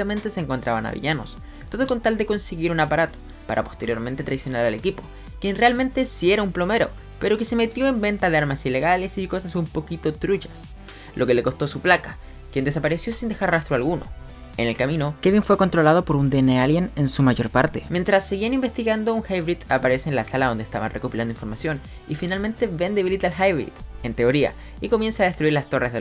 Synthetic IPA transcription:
amẽ̞nt̪e̞seːŋkont̪ɾaβana̰βḭʝano̞̰s | t̪o̞ðoko̞nt̪ald̪e̞ko̞nseɣiɾunapaɾat̪o̥ | paɾʔa̰po̞st̪e̞ɾjo̞ɾme̞nt̪e̞t̪ɾaðisjonalalekipo̞ | kjenrealmẽ̞nt̪e̞sie̞ɾaumplo̞me̞ɾo̞̰ | pe̞ɾo̞ke̞se̞me̞t̪jo̞embe̞nt̪aðeaɾmasile̞ɣale̞siko̞sasumpo̞kit̪o̞t̪ɾut͡ʃḁs | lʔo̞ke̞le̞ko̞st̪o̞suplakḁ | kje̞nd̪esapaɾe̞sjo̞sind̪exaɾrast̪ɾoalɣuno̰ | ḛne̞lkamino̞ke̞βiɱfwe̞ko̞nt̪ɾo̞lað̞o̞po̞ɾund̪enealjenensumaʝo̞ɾpaɾt̪emje̞nt̪ɾasːeɣianimbest̪iɣand̪ouŋxajβɾit̪apaɾe̞seːnlasalaðo̞nd̪est̪a̰βa̰nrʔe̞ko̞piland̪oinfoɾmasjo̞n | ifinalmẽ̞nt̪e̞βe̞nd̪eβilit̪alxajβɾḭt̪e̞nt̪e̞o̞ɾia̰ | iko̞mje̞nsaːðe̞st̪ɾuiɾlast̪o̞rezðe

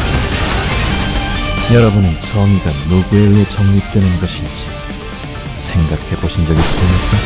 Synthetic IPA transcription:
jʌɾʌbunɯnt͡ɕʰʌŋiɡanoɡueɭːet͡ɕʌŋɲit͈we̞nɯnɡʌɕʰid͡ʑi | sʰe̞ŋɡakʰe̞boɕʰindʌɡis͈ɯmɲik͈a

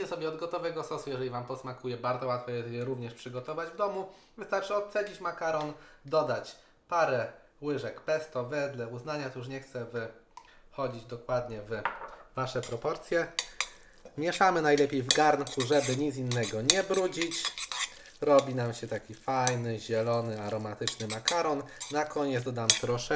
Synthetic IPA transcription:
ɛsɔbʲjɛɔd̪ɡɔt̪ɔvɛɡɔsɔsujɛʐɛlʲivampɔsmakujɛbaɾd̪zɔwat̪fɔjɛjɛɾuvɲɛʂpʂɘɡɔt̪ɔvad͡ʑvd̪ɔmu | vɘst̪aɾt͡ʂɘɔt̪sɛd͡ʑit͡ɕmakaɾɔnd̪ɔd̪at͡ɕ | paɾɛ | wɘʐɛkpɛst̪ɔvɛd̪lɛuznaɲat̪ɔjuʂ̬ɲɛxt̪sɛvɘ | xɔd͡ʑid͡ʑd̪ɔkwad̪ɲɛvvaʂɛpɾɔpɔɾt̪sʲjɛ | mʲjɛʂamɘnajlɛpʲejvɡaɾnkuʐɛbɘɲit̪sinːɛɡɔɲɛbɾud͡ʑit͡ɕ | ɾɔbʲinamɕɛt̪akʲifajnɘʑɛlɔnɘaɾɔmat̪ɘt͡ʂnɘmakaɾɔnːakɔɲɛt̪d̪ɔd̪amt̪ɾɔʂɛ

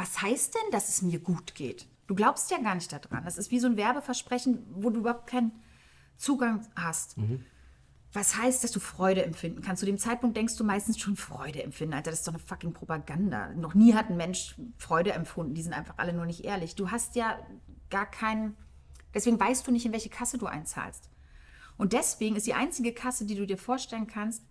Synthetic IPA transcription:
vashaɪst̚d̥ɛnd̥asɛsmiːɐɡuːtɡ̥ḛːt | d̥uːɡlaʊpstjaːɡaːɐnɪçt̚d̥ad̥ʁa̰ndasɪstv̥iːzoːnvɛɐbəfɛɐʃpʁ̥ɛçn̩voːduːybɐhaʊp̚t̚kʰaɪnən | t͡suːɡaŋhast | vashaɪst̚d̥asd̥uːfʁ̥ɔʏɾəɛmfɪndn̩kʰanstt͡sːudeːmt͡saɪt̚pʊŋk̚td̥ɛŋkstd̥uːmaɪstn̩sʃoːnfʁ̥ɔʏɾəɛmfɪndnʔalzadasɪ̥td̥ɔχnəfakɪŋpʁ̥opaɡanda̰nɔχniːɦatn̩mɛnʃfʁ̥ɔʏɾəɛmfʊndn̩diːzɪntʔaɪnfaχʔa̰lənuːɐnɪçtʔḛːɐlɪçd̥uːɦastjaːɡ̥aːɐkʰaɪnə | d̥ɛsv̥eːɡŋ̩vaɪstd̥uːnɪçtɪnvɛlçəkʰasəduːʔa̰ɪnt͡sa̰ːlst | ʔʊntd̥ɛsv̥eːɡŋ̩ɪstd̥iːʔa̰ɪnt͡sɪɡəkʰasədiːduːdiːɐfoːɐʃtɛlənkʰanst̚

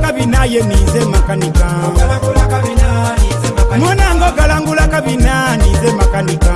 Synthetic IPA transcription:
kaβinajenizemakanika | munaŋɡoɡalaːŋɡulakaβinanizemakanika

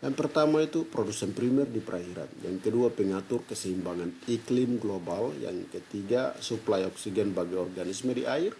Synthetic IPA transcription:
danpərt̪amait̪upɾodusɛnpɾimɛrdipəɾʔaɦiɾa̰nja̰ŋkəduapəŋat̪ʊrkəsəimbaŋaniklɪmɡlobalja̰ŋkət̪iɡasuplajɔksidɛnbaɡaɔrɡanismədiʔaɪr

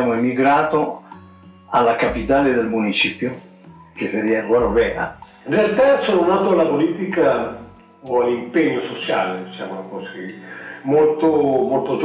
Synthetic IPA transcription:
amoemiɡɾaːt̪o | alːakapit̪aːled̪elmunit͡ʃiːpjo | k̟eseɾiaɡwaɾovɛːɾa̰ | nrialt̪asononaːt̪oalapoliːt̪ika | oalːimpeɲːosot͡ʃaːled̪it͡ʃa̰monakɔːzḁkemolt̪omolt̪ot̪

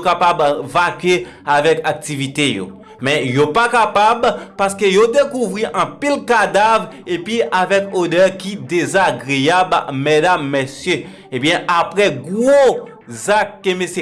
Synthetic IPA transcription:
kapabvakɥe | avɛkak̚t̪ivit̪ejo̰ | mɛ̃jopakapabpaʁskøjod̪ekuvʁiʔɐ̃pilkad̪avʁepiavɛkod̪œʁkid̪ezaɡʁejabmedamːesjø | ebjɛ̃ʔapʁɛɡo | zakːemese

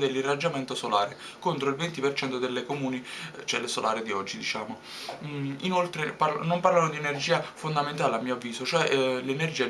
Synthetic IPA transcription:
d̪elːirːad͡ʒːamɛnt̪osolaːɾe | kont̪ɾoilvent̪ipert͡ʃɛnt̪od̪elːekomuːnit͡ʃɛlːesolaːɾed̪iɔd͡ʒːid̪it͡ʃaːmo | inolt̪ɾepanomparlanod̪ienerd͡ʒiːafond̪ament̪aːleamːiːoavːiːzot͡ʃoɛlenerd͡ʒiːa

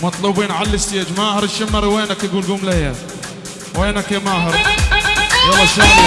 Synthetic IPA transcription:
mɑt̪ˤluːbiːnʕallɪst̪ɪjaːd͡ʒmaːhɑɾɪʃːɪmːɑɾweːnakɪɡuːlɡʊmleja | weːnakemaːɦɑɾˤ | wɑlːɑʃa

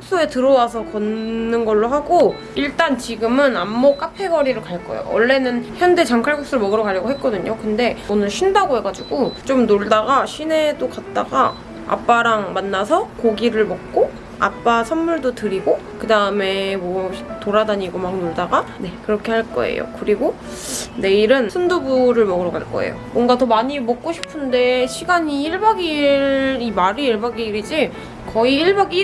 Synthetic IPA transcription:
kk̚s͈oe̞tɯɾʌwasʰʌkʌnːɯnɡʌɭːoɦaɡo | iɭt͈ant͡ɕiɡɯmɯnamːok͈apʰe̞ɡʌɾiɾɯɭkaɭk͈ʌ̰j̰o̰wʌɭːe̞nɯnçjʌnde̞t͡ɕaŋkʰaɭɡʰoks͈uɾɯɭmʌɡɯɾʌkaʎːʌɡoɦet̚k͈ʌdɯɲokɯnde̞ʌnɯnɕʰindaɡoɦe̞ɡad͡ʑiɡot͡ɕomnoɭdaɡaɕʰine̞dokat̚t͈a̰ɡa | a̰p͈aɾaŋmanːasʰʌkoɡiɾɯɭmʌk̚k͈o | a̰p͈asʰʌnmuɭdotɯɾiɡokɯdaɯme̞mwʌtoɾadaɲiɡomak̚noɭdaɡane̞kɯɾʌkʰe̞haɭk͈ʌ̰ḛjo̰kɯɾiɡo | ne̞iɾɯnsʰʌndobuɾɯɭmʌɡɯɾʌɡaɭk͈ʌ̰ḛjo̰mwʌnɡatʌmaɲimʌk̚k͈oɕʰi̥pʰɯnde̞ɕʰiɡaɲiiɭbaɡiɾimaɾiiɭbaɡiɾid͡ʑi | kʌiiɭbaɡi

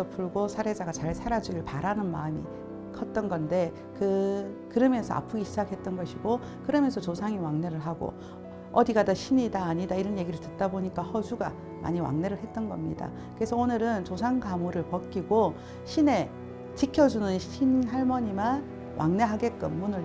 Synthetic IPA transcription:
ʌpʰuɭɡosʰaɾe̞d͡ʑaɡat͡ɕaɭsʰaɾad͡ʑuiɭpaɾanɯnma̰ɲḭ | kʰʌt̚t͈ʌnɡʌnde̞ | kɯkɯɾʌmjʌnsʰʌa̰pʰuɡiɕʰid͡ʑakʰhe̞t̚t͈ʌnɡʌɕʰiɡo | kɯɾʌmjʌnsʰʌt͡ɕosʰaŋiwaŋne̞ɾɯɭɦaɡo̰ | ʌdiɡadaɕʰiɲidaːɲidaiɾʌnje̞ɡiɾɯɭtɯt̚t͈aboɲik͈ahʌd͡ʑʰuɡa | ma̰ɲiwa̰ŋne̞ɾɯɭɦe̞t̚t͈ʌnɡʌmɲida̰ | kɯɾe̞sʰʌonɯɾɯnt͡ɕosʰaŋɡamuɾɯɭpʌk̚k͈iɡo | ɕʰine̞ | t͡ɕikʰjʌd͡ʑunɯnɕʰinɦaɭmʌɲiman | wʔa̰ŋne̞ɦaɡe̞k͈ɯmːunɯɭ

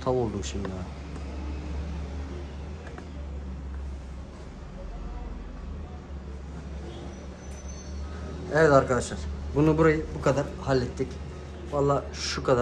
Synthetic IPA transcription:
t̪ʰavolˠd̪umʃind̪a | ɛvɛt̪aɾkad̪aʃlˠaɾ̥bunubuɾajɯbukʰad̪aɾhalʲːɛt̪ːic | valˠːaː | ʃukʰad̪a

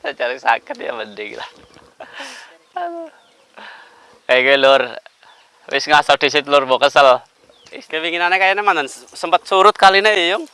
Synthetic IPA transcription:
sat͡ʃaɾɪksa̰kɪt̪̚ja̰bəndɪŋla̰h | al | kajakuɛlʊr | wɪ̰sŋasawd̥is̬ɪt̪̚lʊrbɔkəsəl | ist̪ewiŋinanɛkajanɛmant̪ən | səmpət̪̚suɾʊt̪̚kalinɛijʊŋ

